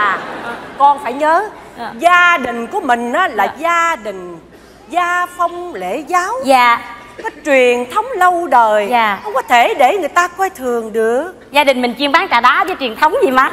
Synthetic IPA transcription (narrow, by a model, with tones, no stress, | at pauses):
kɔ˧nfaː˧˩jɲəː˨˦zaː˧ɗï˨˩ŋ̟ku˧˩əmï˨˩ŋ̟ʔaː˨˦laː˨˩zaː˧ɗï˨˩ŋ̟ | zaː˧fə˧wŋ͡mle˧˩˨zaː˨˦wzaː˨ | kɔ˨˦t͡ɕwi˨˩ənt̪ʰə˨˦wŋ͡mlə˧wɗəː˨˩jaː˨˩xə˧wŋ͡mkɔ˨˦t̪ʰe˧˩ɗe˧˩ŋɨ˨˩əjt̪aː˧kwɛ˧jt̪ʰɨ˨˩əŋɗɨ˨˩ək̚ | zaː˧ɗï˨˩ŋ̟mï˨˩ŋ̟t͡ɕi˧ənɓaː˨˦ŋt͡ɕaː˧˩ɗaː˨˦vəː˨˦jt͡ɕwi˨˩ənt̪ʰə˨˦wŋ͡mzi˨˩ma˨˦